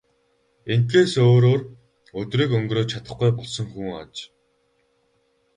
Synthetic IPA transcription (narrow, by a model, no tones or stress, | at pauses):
eŋt̪eːsoːɾoːr | ɵt̪riːkɵŋɡroːt͡ɕʰat̪ə̆χɡujpɔɮsɞ̆ŋxuːŋa̰t͡ɕ